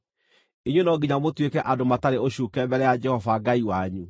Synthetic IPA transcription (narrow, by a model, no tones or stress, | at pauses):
eɲwenɔɡiɲamotwekɛʔadomataɾeoɕuːkɛmbɛɾɛjad͡ʒɛhɔvaɡaiwaɲu